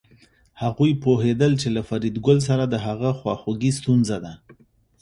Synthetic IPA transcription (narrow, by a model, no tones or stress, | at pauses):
haɣujpoɦed̪əlt͡ʃelafaɾid̪ɡʊls̬aɾad̪əɦaɣəxwɑxuɡist̪unzad̪a